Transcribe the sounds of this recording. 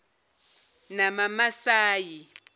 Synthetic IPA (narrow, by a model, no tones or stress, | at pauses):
namamasaːji